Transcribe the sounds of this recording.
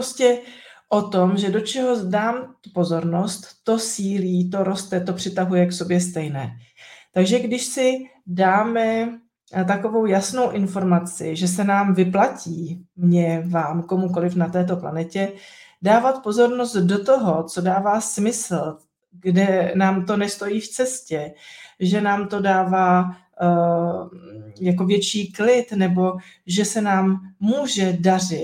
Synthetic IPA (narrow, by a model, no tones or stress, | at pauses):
scɛʔo̞t̪o̞mʒɛdo̞t͡ʃɛɦo̞daːmt̪upo̞zo̞ɾno̞st̪ːo̞siːliːt̪o̞ɾo̞st̪ɛt̪o̞pr̝̥ɪt̪aɦujɛkso̞bjɛst̪ɛjnɛːt̪aɡʒɛɡdɪʃsɪdaːmɛ | t̪̬ako̞vo̞wjasno̞wʔɪnfo̞ɾmat͡sɪ̰ʒɛs̬ɛnaːmvɪplaciːmɲɛvaːmko̞muko̞lɪfnat̪ɛːt̪̬o̞pla̰nɛcɛ | daːvat̪po̞zo̞ɾno̞st̪do̞t̪o̞ɦo̞t͡so̞daːvaːsmɪsl̩ | ɡdɛnaːmt̪o̞nɛst̪o̞jiːft͡sɛscɛʒɛnaːmt̪o̞daːvaː | jako̞vjɛt͡ʃiːklɪt̪nɛbo̞ʒɛsɛnaːmːuːʒɛdarɪ